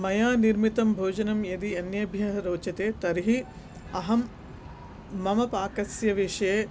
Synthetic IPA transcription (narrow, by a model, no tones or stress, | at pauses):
mɐjaːniɾmit̪ɐmbʱoːd͡ʒɐnɐmjɐd̪iɐnjɐbʱjɐɦɐɾoːt͡ʃɐt̪eːt̪ɐɾiɦi | ɐɦɐm | ɐmɐpaːkɐsjɐʋeːʂɐeː